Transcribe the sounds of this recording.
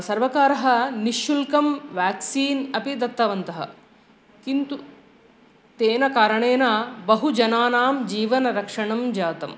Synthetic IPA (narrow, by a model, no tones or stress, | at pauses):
sɐɾʋɐkaːɾɐɦɐ̆niʃjulkɐmʋaːksiːnɐpid̪ɐt̪ːɐʋɐnt̪ɐɦɐ̰ | kint̪u | t̪eːnɐkaːɾɐɳeːnɐbɐɦud͡ʒɐnaːnaːmd͡ʒiːʋɐnɐɾɐkʂɐɳɐmd͡ʒaːt̪ɐm